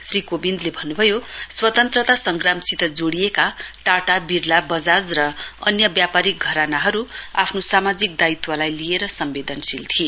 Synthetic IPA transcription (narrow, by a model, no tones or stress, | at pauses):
srikobind̪lebʱʌnːubʱʌjoswʌt̪ʌnt̪rʌt̪asʌŋɡramsit̪ʌd͡zoɽijekaʈaʈabiɾlabʌd͡zad͡zrʌʌnjʌbjapaɾik̚ɡʱʌɾanaɦʌɾua̰pʰnosamad͡zik̚d̪ait̪walajlijeɾʌsʌmbed̪ʌnsilt̪ʰie